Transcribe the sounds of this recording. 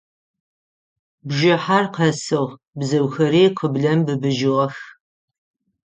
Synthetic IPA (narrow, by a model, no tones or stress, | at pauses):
bʒɪħarqʰɐsɨʁ | bzɐwxɐɾeːqʰəbɮɐmbɨbɨʒɪʁɐx